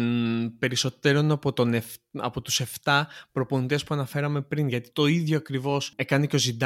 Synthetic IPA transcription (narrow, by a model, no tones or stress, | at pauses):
pe̞ɾiso̞t̪e̞ɾo̞nɐpot̪onefɐ̰po̞t̪u̥se̞ft̪ɐpɾo̞po̞nit̪e̞spuɐnɐfe̞ɾɐme̞pɾinʝɐt̪i̥t̪o̞iðʝo̞ɐkɾivo̞se̞kɐneceo̞zind̪